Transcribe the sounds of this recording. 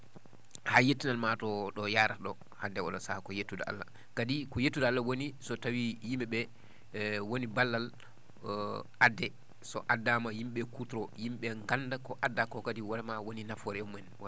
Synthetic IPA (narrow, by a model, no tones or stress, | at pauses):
hajetːinalmatɔɗɔjaːɾaɗɔ | handɛɔ̰ɗɔsakɔjetːudaʔa̰lːa̰ | kadikɔjetːudaalːawonisɔtawijimɛɓɛ | wonibalːal | ʔadːɛ | sɔ̰ʔadːamajimɓɛkutɾɔjimɓɛŋɡandakɔʔadːakɔkadiwaɾɛmawoninafɔɾɛmɛnwa